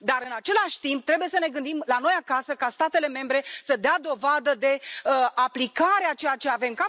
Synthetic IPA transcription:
d̪aɾɨnat͡ʃe̞laʃʲt̪imp̚t̪ɾe̞buje̞səne̞ɡɨnd̪imlano̞jakasəkast̪at̪e̞leme̞mbɾe̞səd̪ead̪o̞vad̪əd̪e̞əʔaplikaɾeat͡ʃe̞jat͡ʃe̞ave̞mka

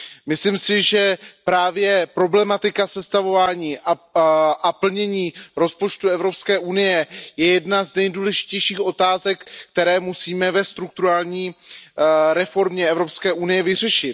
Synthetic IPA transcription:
mɪslimsɪʒɛpɾaːvjɛpɾo̞blɛmat̪ɪkasɛst̪avo̞vaːɲiːʔaʔapl̩ɲɛɲiːɾo̞spo̞t͡ʃt̪uɛvɾo̞pskɛːʔunɪjɛjɛjɛdnaznɛjduːlɛʒɪ̥cɛjʃiːxʔo̞t̪aːzɛkːt̪ɛɾɛːmusiːmɛvɛst̪ɾuk̚t̪uɾaːlɲiː | ɾɛfo̞ɾmɲɛɛvɾo̞pskɛːʔunɪjɛvɪr̝ɛʃɪt̪

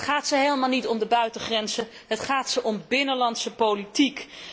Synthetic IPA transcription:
χaːtsəɦejlˠəmaːlˠnitɔmdəbœɥtəχrɛnzə | ɦətχaːtsəʔɔmbɪnəlɑntsəpolitik

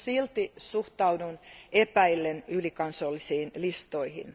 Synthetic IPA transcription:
silt̪isuht̪ɑudunepæilːenylikɑnsolːisiːnlist̪oihḭn

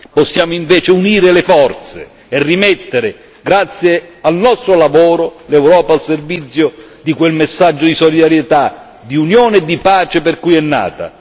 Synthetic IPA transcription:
pɔsːjaːmʊiɱvɛːt͡ʃɪuniːɾɪlɪfɔrt̪sḛ | ɛrːimɛt̪ːeɾɪ | ɡɾat̪sːjealnɔst̪ɾolavoːɾʊlɛwɾɔːpaːlservit̪sːjʊ | d̪ikwelmesːad͡ʒːʊd̪isɔlid̪aɾjet̪a | d̪iunjoːnɛd̪ːipaːt͡ʃeperkujɛnːa̰ːt̪a̰

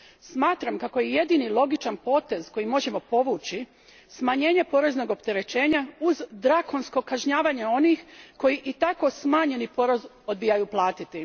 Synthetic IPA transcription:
smaːt̪ɾamkako̞jeje̞d̪inilˠo̞ɡit͡ʃanpo̞ːt̪e̞zko̞jimo̞ʒe̞mo̞po̞ʋuːt͡ɕi | smaɲe̞ːɲe̞po̞ɾe̞zno̞ɡo̞pt̪e̞ɾe̞t͡ɕe̞ːɲauzd̪ɾako̞nsko̞kaʒɲaːʋaɲe̞o̞nixko̞jiʔit̪ako̞smaːɲe̞nipo̞ɾez | o̞d̪bijajuːplˠaːt̪it̪i

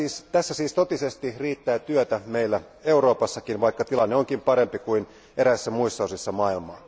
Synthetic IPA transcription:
iːst̪æsːæsiːst̪ot̪isest̪iriːt̪ːæːt̪yøt̪æmeilːæ | euro̞ːpɑsːɑkinʋɑikːɑt̪ilɑnːeoŋkimpɑɾempikuin | eɾæisːæmuistːɑosisːɑmɑilmɑ̰ː

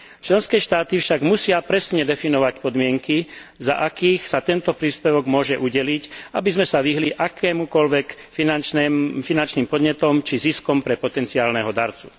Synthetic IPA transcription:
t͡ʃlɛnskɛːʃt̪aːt̪ifʃaɡmusɪapɾɛsɲɛd̪ɛfinɔʋacpɔd̪mɪɛŋkiza̰ʔakiːxsat̪ɛnt̪ɔpɾiːspɛʋɔɡmʊɔʒɛʔuɟɛlicabizmɛsaʋiɦliʔakʰɛːmukɔlʋɛkfinanɛfinant͡ʃniːmpɔd̪ɲɛt̪ɔmt͡ʃiziskɔmpɾɛpɔt̪ɛnt͡siaːlnɛɦɔd̪aɾt͡su̥

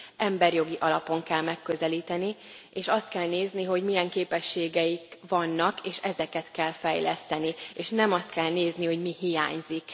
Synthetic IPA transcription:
ʔɛmbɛrjo̞ɡiʔɒlɒpo̞ŋkɛlmɛkːøzɛliːt̪ɛni | eːʃɒst̪̚kɛlneːzniɦo̞ɟmijɛŋkeːpɛʃːeːɡɛjikʋɒnːɒkeːʃɛzɛkɛt̪kɛlfɛjlɛst̪ɛnieːʃnɛmɒst̪̚kɛlneːzniɦo̞ɟmiɦija̰ːɲzik

